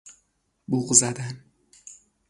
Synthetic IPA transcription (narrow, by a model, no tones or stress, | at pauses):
buɣzæd̪æn